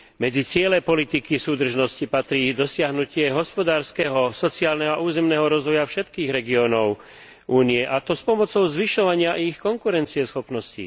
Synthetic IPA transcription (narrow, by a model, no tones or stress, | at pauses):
mɛd͡zit͡sɪɛlɛpɔlit̪ikisuːd̪r̩ʒnɔscipat̪ɾiːd̪ɔsɪaɦnucɪɛɦɔspɔd̪aːɾskɛɦɔsɔt͡siaːlnɛɦɔaʔuːzɛmnɛːɦɔɾɔzʋɔjafʃɛt̪kiːɣɾɛɡiɔːnɔʊ | ʔuːniɛʔat̪ɔspɔmɔt͡sɔʊzʋiʃɔʋaɲɪaʔixkɔŋkuɾɛnt͡siɛsxɔpnɔscḭ